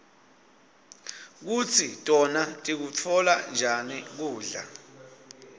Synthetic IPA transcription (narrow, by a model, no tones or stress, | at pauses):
k̬ut͡sʰitʼɔnatʼik̬ut͡fʰɔland͡ʒʱanik̬uːɮa̰